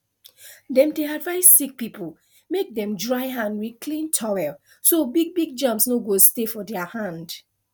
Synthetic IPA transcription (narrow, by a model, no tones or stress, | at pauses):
dɛ̃mdeadvaɪsːik̚pip | mek̚dɛ̃mdɹaɪɦãndwikʰlĩntʰawɛl | sobiɡ̚biɡ̚d͡ʒʌ̃mpsnoɡostefɔdɛahãnd